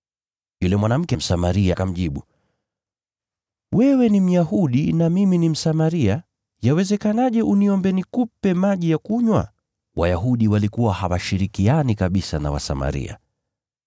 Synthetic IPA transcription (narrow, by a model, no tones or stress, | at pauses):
julɛmwanam̩kɛm̩samaɾiakam̩ʄiɓu | wɛwɛnim̩jaɦuɗinamiminim̩samaɾia | jawɛzɛkanaʄɛʔuniɔmbɛnikupɛmaʄijakuɲwa̰ | wajaɦuɗiwalikuwahawaʃiɾikianikaɓisana̰wa̰sa̰ma̰ɾḭa̰